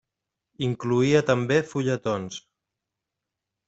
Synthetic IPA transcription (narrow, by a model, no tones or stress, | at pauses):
iŋkluiət̪əmbefuʎət̪ons